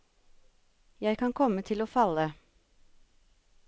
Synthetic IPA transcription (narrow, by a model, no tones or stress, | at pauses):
jæɪkʰɑŋkʰɔmət̪ʰɪloːfɑlə